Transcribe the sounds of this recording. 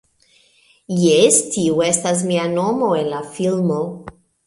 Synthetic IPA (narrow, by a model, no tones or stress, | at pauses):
jestiue̞stas̬mianomo̞e̞nlafilmo